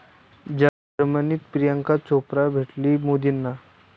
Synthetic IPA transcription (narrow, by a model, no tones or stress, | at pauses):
d͡ʑa | ɾmənit̪pɾijəŋkat͡sopɾabʱeʈlimod̪inːa